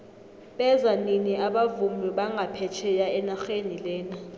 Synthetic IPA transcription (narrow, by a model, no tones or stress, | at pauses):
ɓɛzaniniaɓavumlɔɓaŋʱapʰɛt͡ʃʰɛjaɛnaxenilɛːna